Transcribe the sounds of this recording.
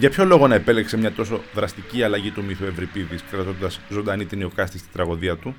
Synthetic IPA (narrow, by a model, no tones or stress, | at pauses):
ʝɐpço̞lo̞ɣo̞nɐe̞pe̞leksemɲɐt̪o̞so̞ðɾɐst̪iciɐlɐʝit̪umiθoe̞vɾipiðiskɾɐt̪o̞nd̪ɐszo̞nd̪ɐnit̪inio̞kɐst̪ist̪i̥d̪ɾɐɣo̞ðiɐt̪u